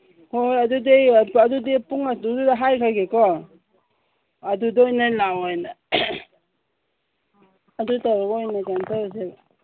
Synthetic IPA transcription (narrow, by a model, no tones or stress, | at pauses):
hojadudejadudepuŋadududaɦajkʰaɡekɔ | dudɔjnajlawajna | adutaɾɔɡɔjnajkantazel